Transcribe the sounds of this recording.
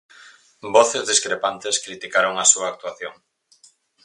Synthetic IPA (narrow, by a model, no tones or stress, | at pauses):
boθezðiskɾepant̪eskɾit̪ikaɾoŋɐsuɐːk̚t̪waθjoŋ